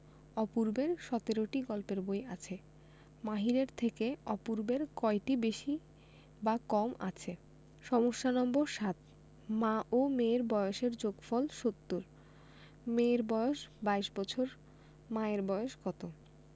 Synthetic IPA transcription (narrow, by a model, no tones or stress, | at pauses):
ɔpuɾbeɾʃɔt̪eɾoʈiɡɔlpeɾbojat͡ɕʰe | maɦiɾeɾt̪ʰekeɔpuɾbeɾkɔeʈibeʃi | bakɔma̰t͡ɕʰe | ʃɔmoʃːanɔmboɾʃat̪ | maʔomeɾbɔjoʃeɾd͡ʑoɡfɔlʃot̪ːuɾ | meɾbɔeoʃbaiʃbɔt͡ɕʰoɾ | maeɾbɔeoʃɡɔt̪o